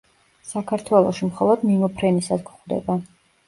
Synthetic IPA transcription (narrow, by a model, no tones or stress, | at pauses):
sakʰaɾt̪ʰwɛlˠɔ̰ʃimχɔlˠɔd̪mimɔpʰɾɛnisad̪ɡχd̪ɛ̰ba